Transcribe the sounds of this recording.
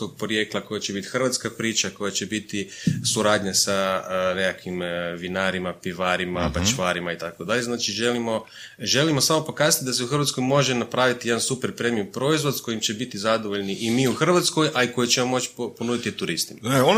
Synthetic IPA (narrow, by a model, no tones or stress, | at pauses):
oɡ̚pɾoje̞klˠako̞jat͡ʃebit̪i̥xr̩ʋat̪skapɾiːt͡ʃako̞jat͡ʃe̞bit̪isuɾaːd̪ɲasanekakʰimʋinaːɾimapiʋaɾimabat͡ʃʋaːɾimait̪akod̪aʎeznaːt͡ʃiʒe̞limo̞ | ʒe̞limo̞samo̞po̞kaːzat̪id̪ase̞uxərɾʋat̪skojmo̞ʒenapɾaːʋit̪ije̞d̪ansupeɾpɾemijupɾo̞izʋod̪sko̞jimt͡ʃe̞bit̪izad̪oʋoʎniʔimiːuxr̩ʋat̪sko̞jʔaikojet͡ɕe̞mo̞mo̞t͡ʃi̥po̞nuːd̪it̪it̪uɾist̪imaeo